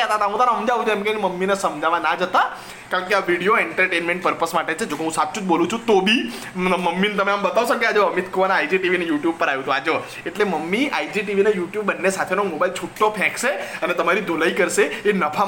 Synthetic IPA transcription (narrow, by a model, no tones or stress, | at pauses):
ət̪aɦt̪aɦũt̪anaɦəmd͡ʒaʋũd͡ʒʰoemkeneməmːinesəmd͡ʒaʋanad͡ʒət̪a | kaɾə̃keaʋiɽijoeɳʈəɾʈenmẽɳʈpəɾpəsmaʈet͡ʃʰed͡ʒokeɦũsap̪̚t͡ʃʰũd͡ʒbolũt͡ʃʰũt̪obi | məmːinet̪əmeambət̪aʋsokead͡ʒoəmit̪kʰoʋanaajd͡ʒiʈiʋinejuʈjub̚pəɾajũt̪ũad͡ʒo | eʈleməmːiajd͡ʒiʈiʋinejuʈjubːənːesat̪ʰenomobailt͡ʃʰuʈːopʰɛ̃kʃeənet̪əmaɾid̪ʱolaikəɾʃeenəpʰa